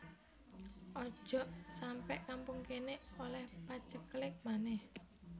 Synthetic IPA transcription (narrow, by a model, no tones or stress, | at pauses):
ʔɔ̥ʒ̥ɔʔsampɛʔkampuŋkeneolɛhpḁt͡ʃəklɪk̚manɛh